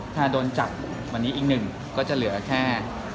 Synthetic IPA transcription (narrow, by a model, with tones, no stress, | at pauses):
t̪ʰaː˥˩doː˧nt͡ɕa˨˩p̚ | wa˧nːiː˦˥ʔiː˨˩k̚nɯ˨˩ŋ | kɔː˥˩t͡ɕa˨˩ʔlɯ˩˦ɐkʰɛː˥˩